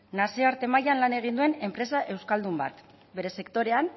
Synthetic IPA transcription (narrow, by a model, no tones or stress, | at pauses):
nasiaɾt̪e̞majanlane̞ɣ̞ind̪ue̞ne̞mpɾe̞saʔe̞wskald̪umba̰t̪ | be̞ɾe̞se̞kt̪o̞ɾe̞an